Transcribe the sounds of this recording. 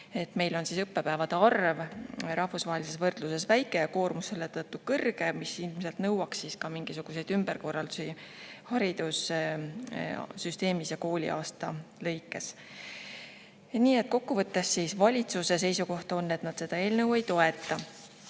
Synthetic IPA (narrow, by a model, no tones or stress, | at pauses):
e̞t̪ːme̞jlo̞nsiːsɤpːe̞pævɑd̪̥eɑrvɾɑhvusvɑːɦelʲise̞svɤrd̪̥luse̞svæjkːˑeko̞ːrmusːelet̪ɤt̪ːukɤrɡ̥e̞misilmse̞lt̪nɤwɑksːiːskɑmiŋɡ̥isuɡ̥use̞jd̪̥ymb̥erko̞rːɑld̪̥usihɑɾid̪̥us | syst̪e̞ːmisjɑko̞ːlʲḭʔɑ̰ːst̪ɑlɤ̞jkːˑe̞s | niːe̞t̪̚ˑko̞kːuvɤt̪ːe̞sːiːsvɑlʲit̪suse̞se̞jsuko̞ht̪o̞nːe̞t̪nɑd̪̥se̞d̪̥ɑe̞ːlnɤwe̞jt̪o̞e̞t̪ˑːɑ